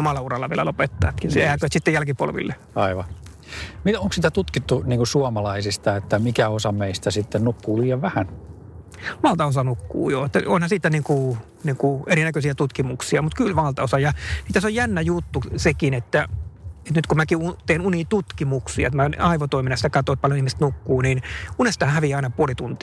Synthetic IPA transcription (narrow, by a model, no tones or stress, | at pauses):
omɑlːˑɑurɑlːɑʋiḛlæ̰lopet̪ːɑ̰ːt̪kisiækøøt̪sit̪ːejælkipo̰lʋḭlːe | ɑiʋɑ | mit̪oŋksit̪æt̪ut̪kit̪ːuniːŋkusuɑmɑlɑisist̪ɑet̪ːæmikæosɑmeist̪æsit̪ːennukːuːliːeʋʋæhæn | ʋɑlt̪ɑosɑnukːṵːjoet̪ːæonhɑsiːt̪ːæniːŋku | niːŋkueɾinækøsiæt̪ut̪kimuksiɑmut̪kylʋɑlt̪ɑosɑjɑsiːt̪ːæsojjænːæjut̪ːusekinet̪ːæet̪nyt̪kumækiut̪eːnuniːt̪ut̪kimuksḭɑ̰et̪mænɑiʋot̪oiminɑsit̪ækɑt̪oˑt̪̚pɑljonihmist̪nukːuːninunest̪ɑːnhæʋiɑinɑpuolit̪unt̪i